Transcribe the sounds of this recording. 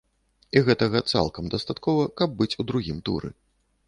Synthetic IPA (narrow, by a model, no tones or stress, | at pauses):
iɣɛt̪ɐɣɐt̪sa̰lˠkɐmd̪ɐst̪at̪kɔvɐkɐb̚ːɨt͡sʲud̪ɾuɣʲimt̪ṵɾɨ̰